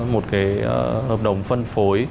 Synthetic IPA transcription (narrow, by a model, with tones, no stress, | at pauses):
mo˨˩t̚kaː˨˦jhəː˨˩p̚ɗə˧˩wŋ͡mfə˧nfo˨˦j